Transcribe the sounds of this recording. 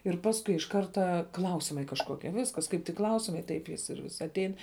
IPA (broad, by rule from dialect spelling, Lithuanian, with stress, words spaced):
ɪr ˈpɑːskʊɪ ɪʃ ˈkɐrtɐ ˈklˠɐʊsʲɪmɐɪ kɐʃˈkoːkʲiɛ ˈʋʲɪskɐs ˈkɐɪp tʲɪk ˈklˠɐʊsʲɪmɐɪ ˈtɐɪp jɪs ɪr ʋʲɪs ɐtʲˈɛɪn